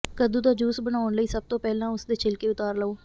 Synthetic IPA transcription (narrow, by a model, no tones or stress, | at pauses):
kəd̪uːd̪aːd͡ʒuːsbənaːʊɳləiːsəb̚t̪oːpɛːlãːʊsd̪eːt͡ʃʰɪlkeːʊt̪aːɾləoː